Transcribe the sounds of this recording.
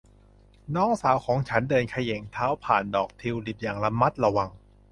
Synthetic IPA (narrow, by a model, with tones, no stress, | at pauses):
nɔː˦˥ŋsaː˩˦wkʰɔː˨˩˦ŋt͡ɕʰa˦˥ndɤː˧nkʰa˧je˨˩˦ŋt̪ʰaː˦˥wpʰaː˨˩ndɔː˨˩k̚t̪ʰi˧wli˨˩p̚jaː˨˩ŋla˧mːa˦˥t̪̚la˧wa˧˩ŋ